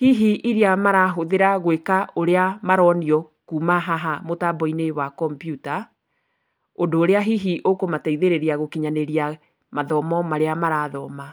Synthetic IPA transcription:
hiɦiʔiɾiamaɾaɦoðeɾaɣwekaoɾeamaɾɔniɔ | kuːmaɦaɦamotabɔinewakɔmpjuta | ondoːɾeaɦiɦiʔokomataiðeɾeɾiaɣokiɲaneɾia | maðɔmɔmaɾeamaɾaːðɔːma

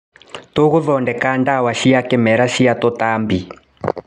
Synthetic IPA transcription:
toɣuðɔndɛkandawaʃijakɛmɛɾaʃijatɔtambi

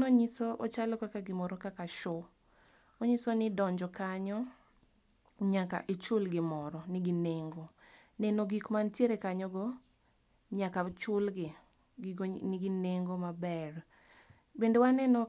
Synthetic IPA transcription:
noɲisoot͡ʃalɔkakaɡɪmɔɾɔkakaʃɔ | oɲisonɪdɔɲd͡ʒɔkaɲɔ | ɲaka̰ʔet͡ʃʊlɡɪmɔɾɔnɪɡɪneŋɡonɛnoɡikmantjeɾekaɲɔɡɔ | ɲakat͡ʃʊlɡɪ | nɪɡɪneŋɡomabɛr | bendewanɛnɔ

